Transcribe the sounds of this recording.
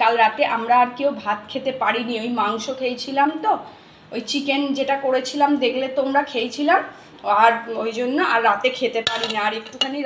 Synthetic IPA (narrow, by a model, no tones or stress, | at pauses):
kalɾat̪eʔamɾaːɾkewbʱat̪kʰet̪epaɾiniojmaŋʃokʰejt͡ɕʰilamt̪o | ojt͡ɕikend͡ʑeʈakoɾet͡ɕʰilamd̪ekʰlet̪omɾakʰejt͡ɕʰilam | aɾojd͡ʑonːoʔaɾːat̪ekʰet̪epaɽinaːɾek̚ʈukʰane